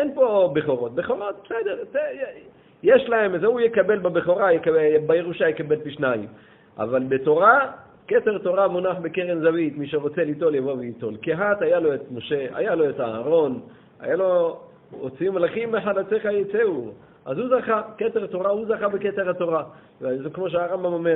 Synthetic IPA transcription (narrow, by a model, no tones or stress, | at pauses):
enpo̞beχo̞ʁo̞t̪̚beχo̞ʁot̪̚b̥esedeʁte | jeʃlae̞mezeujekabe̞lbabeχo̞ʁajekaebajeʁuʃajekabe̞lpiʃnaim | ʔa̰valbeto̞ʁa | keteʁto̞ʁamunaħbekeʁenzavit̪miʃeʁo̞t͡selito̞ljavo̞vejito̞lkeɦat̪ajalo̞et̪moʃea̰jalo̞etaaʁo̞n | a̰jalo̞ː | t͡siimalaχimeħadat͡seχajet͡seu | ʔa̰zhuzaχaketeʁt̪o̞ʁahuzaχabeketeʁhato̞ʁa | vzekmo̞ʃ̬eaʁambamomeʁ